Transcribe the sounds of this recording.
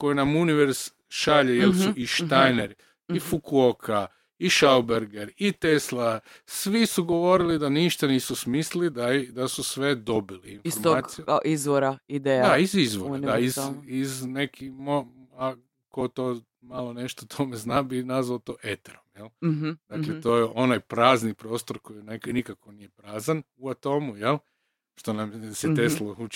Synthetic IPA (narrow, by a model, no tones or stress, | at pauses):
ko̞jinamuniʋeɾs | ʃaʎejelsuiʃt̪ajneɾi | ifukuokʰa | iʃawbeɾɡeɾit̪eslˠa | sʋisuɡo̞ʋo̞ɾilid̪aniʃt̪aniːsusmislid̪ad̪asusʋe̞d̪o̞biliːnfoɾmoaːijuizʋoɾaid̪ejad̪aizizʋoɾnd̪aiziznekimoa | kot̪o | malˠone̞ʃt̪ot̪ʰomeznabinazʋaot̪o̞ʔet̪eɾomjelˠd̪aklet̪ojeʔo̞najpɾaːznipɾo̞ːst̪oɾko̞jneknikakonije̞pɾaːzan | uat̪o̞ːmujelˠ | ʃt̪onamset̪eslˠou